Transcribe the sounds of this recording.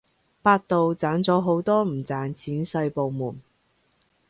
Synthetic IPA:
paː˧t̚t̪o˨wt͡saː˨˥nt͡sɔː˨˥ɦo˨˥wt̪ɔː˥m̩˨˩t͡saː˨nt͡sʰiː˨˥nsɐ˧jpo˨wmuː˨˩n

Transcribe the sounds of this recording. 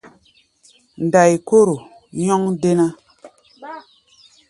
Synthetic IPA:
n˨da˨jko˦ɾo˨ | ɲɔ˦ŋde˦na˦

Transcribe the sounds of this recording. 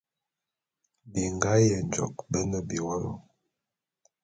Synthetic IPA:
bi˨ŋɡa˦jɛ˨nd͡ʒɔ̰˨kbə˦nə˨bi˨wɔ˦lɔ̰˦

